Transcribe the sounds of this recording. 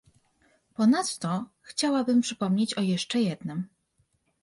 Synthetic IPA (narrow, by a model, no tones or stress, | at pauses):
pɔnat̪ːɔxt͡ɕawabɘmpʂɘpɔmɲet͡ɕɔjɛʂt͡ʂɛjɛd̪nɘm